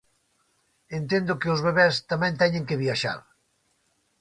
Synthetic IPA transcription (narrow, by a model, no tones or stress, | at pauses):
ent̪ẽnd̪ʊkeozβeβɛst̪amɛ̃nt̪ɛɲẽŋkeβiaʃa̰ɾ